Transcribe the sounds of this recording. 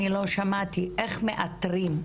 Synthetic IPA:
ilo̞ʃamat̪iʔeχmeʔat̪ʁim

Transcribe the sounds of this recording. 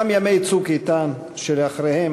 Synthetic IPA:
mjamejt͡sukit̪an | ʃeleaχɾehem

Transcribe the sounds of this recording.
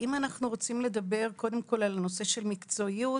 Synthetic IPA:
ʔimanaχnuʁo̞t͡simle̞d̪ɐbe̞ʁko̞d̪e̞mko̞lalno̞se̞ʃe̞lmikt͡so̞iu

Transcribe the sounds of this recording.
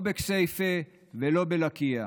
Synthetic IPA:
beksejfe | velo̞belakia

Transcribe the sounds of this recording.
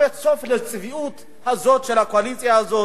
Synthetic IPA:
etso̞flet͡sviʔut̪ | hazo̞t̪ʃelhakoalit͡sjahazo

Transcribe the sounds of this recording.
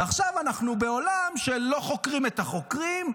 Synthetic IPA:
aχʃavanaχnubeo̞lamʃelo̞χo̞kʁimet̪aχo̞kʁim

